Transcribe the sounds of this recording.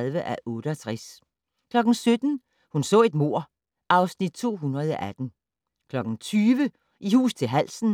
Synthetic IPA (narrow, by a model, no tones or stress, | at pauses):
ðˠʋəʔæʔɔ̽ːɾ̥əɒt͡sʰʁas | kʰlɒ̽ɡ̥n̩sød̥n̩ | hunsɔ̰̽ːe̝d̥mo̝ɐ̰ | ʔɑ̈ʊsnid̥̚t͡sʰo̝̰ːɦunʁɐð̞ˠɒ̽ʔæd̥n̩ | kʰlɒ̽ɡ̥n̩t͡sʰyːʋə | ʔihṵːst͡sʰe̝lɦæl̰sn̩